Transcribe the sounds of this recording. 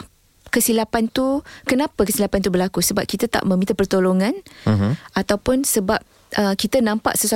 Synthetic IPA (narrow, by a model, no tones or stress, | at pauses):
kəsilapant̪ukənãpəkəsilapant̪ubərlakusəbap̚kit̪at̪a̰ʔmə̃mĩt̪apərt̪oloŋãn | at̪awpʊnsəbap̚ | ʔəkit̪anãmpa̰ʔsəsua